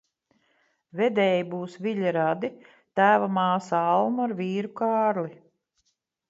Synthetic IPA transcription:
vɛd̪ɛjibuːsvʲiʎʲaɾad̪i | t̪æːvamaːsalˠnuaɾvʲiːɾukaːɾli

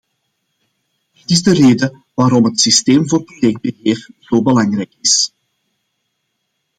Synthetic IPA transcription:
dɪtɪzdəreːdə | ʋaːɾɔmɦətsisteːmvoːrprojɛk̚d̚bəɦeːrz̥oːbəlɑŋrɛjkɪs

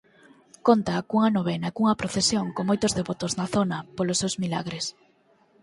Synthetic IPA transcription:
kont̪akuŋɐnoβ̞ɛnɐekuŋɐpɾoθesjoŋkoŋmojt̪ʊzðeβot̪oznɐθonɐpolʊsːewzmilaɣɾes

